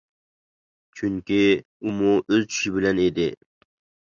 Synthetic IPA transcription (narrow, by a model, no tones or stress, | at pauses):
t͡ʃʰyŋkʲi | umuʔøzt͡ʃʰy̥ʃɪbɪlɛned̪ɪ